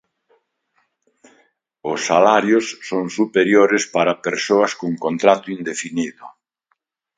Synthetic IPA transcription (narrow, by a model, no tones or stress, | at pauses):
ʊsːalaɾjʊsːoŋsupeɾjoɾɪspaɾɐpeɾsoɐskoŋkont̪ɾat̪ʊind̪efiniðʊ